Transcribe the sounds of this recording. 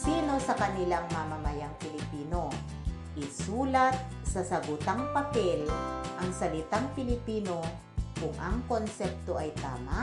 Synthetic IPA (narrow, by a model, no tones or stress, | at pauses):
siːno̞sɐkɐnɪlaŋmɐmɐmɐjaŋpɪlɪpiːno̞ | ʔɪsuːlɐt̪̚ | sɐsɐɡʊt̪aŋpɐpɛlʔɐŋsɐlɪt̪aŋpɪlɪpiːno̞ | kʊŋʔɐŋkonsɛp̚t̪oʔɐjt̪aːma